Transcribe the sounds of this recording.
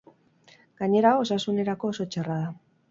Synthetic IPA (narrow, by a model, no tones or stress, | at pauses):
ɡ̥aɲe̞ɾao̞sasune̞ɾako̞ːso̞t͡ʃaraða